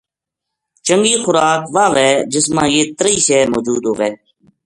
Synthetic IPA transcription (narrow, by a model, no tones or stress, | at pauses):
t͡ʃəŋɡiːxʊɾaːkʋaːʋɛːd͡ʒɪsmãːjeːt̪əɾiːsɛːmoːd͡ʒuːd̪ɦoːʋɛː